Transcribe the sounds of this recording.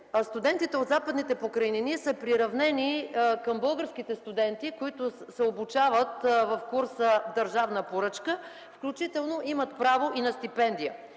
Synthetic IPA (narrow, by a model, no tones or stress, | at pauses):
st̪ʊd̪ɛnt̪it̪ɛod̪zapəd̪nit̪ɛpokɾɐininiɛsɛpɾiɾɐvnɛnikəmbɤlˠɡəɾsk̟it̪ɛst̪ʊd̪ɛnt̪ikoit̪ʊsɛobut͡ʃavət̪vɐfkuɾsəd̪əɾʒavnəpoɾɤt͡ʃkə | fklʲut͡ʃit̪ɛlˠnoʔimət̪pɾavoʔinɐst̪ipɛnd̪ijə